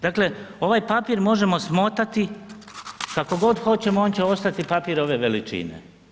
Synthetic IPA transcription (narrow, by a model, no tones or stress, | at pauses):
d̪akle̞o̞ʋajpapiːɾmo̞ʒe̞mo̞smo̞t̪at̪i | kako̞ɡo̞d̪xo̞t͡ɕe̞mooːnt͡ɕeo̞st̪at̪ipapiɾo̞ʋe̞ʋe̞lit͡ʃḭnḛ